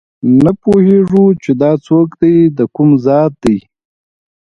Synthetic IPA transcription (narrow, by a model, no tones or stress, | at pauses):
napoheʐut͡ʃed̪ɑt͡sokd̪ajd̪əkʊmzɑt̪̚d̪aj